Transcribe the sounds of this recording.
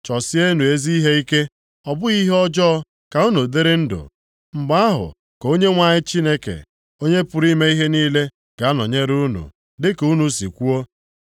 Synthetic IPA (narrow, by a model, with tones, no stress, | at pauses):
t͡ʃɔ˨sɪ˦e˦nu˨e˦zi˦ɦe˦i˦ke˦ | ɔ˨bʊ˦i˦ɦe˦ɔ˦d͡ʒɔ˦ɔ˦ | ka˨u˦nu˨de˦ɾe˦n̩˦dʊ̰˨ | m̩˨ɡ͡ba˦a˦ɦʊ̰˨ | ko˦ɲe˦ŋʷa˨ɲɪ˦t͡ʃi˦ne˦kḛ˨ | o˦ɲe˦pʊ˨ɾi˦me˦i˦ɦe˦niː˦le˦ | ɡ̥a˨a˦nɔ˨ɲe˦ɾu˦nṵ˨ | dɪ˦ku˦nu˨si˨kʷu˦o˦